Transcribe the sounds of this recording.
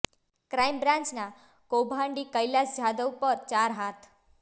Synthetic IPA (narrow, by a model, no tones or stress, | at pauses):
kɾajmbɾãnt͡ɕna | kobʱaɳɖiːkəjlasd͡ʑʱad̪əwpəɾt͡ɕaɾɦat̪ʰ